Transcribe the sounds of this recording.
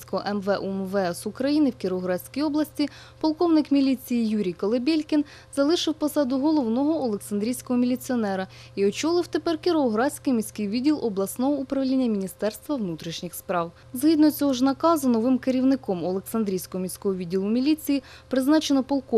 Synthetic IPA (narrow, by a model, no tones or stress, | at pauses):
sʲkɔɦɔ̰ʔɛmʋɛʔumʋɛɛsʊkɾɐjinɪwkʲɪɾɔɦɾɑsʲkʲijɔblˠɐsʲtʲi | pɔlˠkɔwnɪkmʲilʲit͡sʲijijuɾʲijkɔlˠebʲelʲkʲin | zɐlˠɪʃɪwpɔsɑd̪ʊɦɔlˠɔwnɔɦɔɔlˠeksɐnd̪ɾʲijsʲkɔɦɔmʲilʲit͡sʲiɔnɛɾɐ | iɔt͡ʃɔlˠɪwt̪epɛrkʲiɾɔɦɾɑsʲkɪjmʲisʲkɪjʋʲidʲːilˠʔɔblˠɐsnɔɦɔupɾɐʋlʲinʲːɐmʲinʲist̪ɛrst̪ʋɐʋnut̪ɾʲiʃnʲixspɾɑw | zɦid̪nɔt͡sʲɔɦɔʒnɐkɑzʊnɔʋɪmkeɾʲiwnɪkɔmɔlˠeksɐnd̪ɾʲijsʲkɔɦɔmʲiwsʲkɔɦɔʋʲidʲːilˠʊmʲilʲit͡sʲiji | pɾɪznɑt͡ʃenɔpɔlˠkɔ